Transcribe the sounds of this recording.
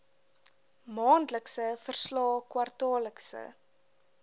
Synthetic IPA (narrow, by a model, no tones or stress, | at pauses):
mɑːndləksəfərslɑːkwɐrtɑːləksə̰